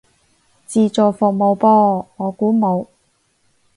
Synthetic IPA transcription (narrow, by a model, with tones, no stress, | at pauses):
t͡siː˧t͡soː˨˩fʊ˨k̚mo˨˧wpɔː˥ŋɔː˨˧kuː˨˥mo˨˧w